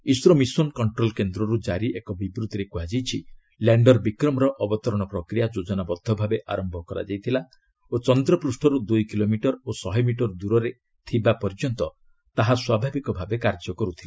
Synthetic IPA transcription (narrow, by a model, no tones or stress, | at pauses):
isɾɔmisɔnkɔɳʈɾolkend̪ɾɔɾud͡ʒaɾiʔekɔbibɾut̪iɾekuɦad͡ʒijt͡ʃʰi | laɳɖɔɾbikɾɔmɔɾɔʔɔbɔt̪ɔɾɔɽ̃ɔpɾɔkɾijad͡ʒod͡ʒɔnabɔd̪ʱːɔbʱabeʔaɾɔmbʱɔkɔɾa̰d͡ʒajt̪ʰila | ot͡ʃɔnd̪ɾɔpɾusʈʰɔɾud̪ujkilomiʈɔɾosɔɦɔjmiʈɔɾd̪uɾɔɾe | t̪ʰibapɔɾd͡ʒɔnt̪ɔ | t̪aɦaswabʱabikɔbʱabekaɾd͡ʒɔkɔɾut̪ʰila